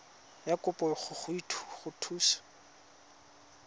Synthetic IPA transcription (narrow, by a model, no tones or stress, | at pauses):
jakʊpʼɔχʊχʊitʰu̥χʊtʰuːsḁ